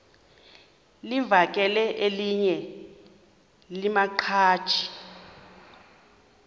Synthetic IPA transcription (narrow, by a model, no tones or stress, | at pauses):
livak̬ʼɛlɛʔeliɲɛ | limaǃʰḁːt͡ʃʰi̥